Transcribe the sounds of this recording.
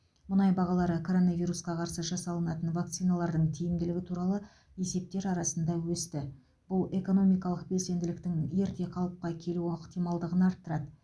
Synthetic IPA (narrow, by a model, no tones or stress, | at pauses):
mʊnɑjbɑʁɑlˠɑɾəkʰo̞ɾo̞navijɾusqɑqʰɑɾsəʒɑsɑlˠənɑt̪ənvak̚t̪sijnɑlˠɑɾd̪əɴt̪ʰijɪmd̪ɪlɪɡʲɪt̪ʰuɾɑlˠə | e̞se̞p̚t̪e̞ɾɑɾɑsənd̪ɑwɵst̪ɪ | b̥ʊlˠe̞ko̞no̞mijkɑlˠəq̚be̞lse̞nd̪ɪlɪk̚t̪ɪŋje̞ɾt̪e̞qʰɑlˠəp̚qɑkʲʰe̞luoqt̪ijmɑlˠd̪əʁənɑɾt̪ːəɾɑd̪ə